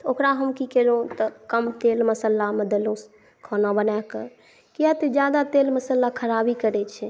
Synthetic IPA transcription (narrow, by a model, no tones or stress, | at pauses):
t̪okɾaɦəmkikɛɾõt̪əkəmt̪elməsəlːaməd̪əlõs | kʰɔnabənakə̰ɾ | kijat̪id͡ʒjad̪at̪eːlməsəlːakʰəɾabikəɾɛt͡ʃʰɛ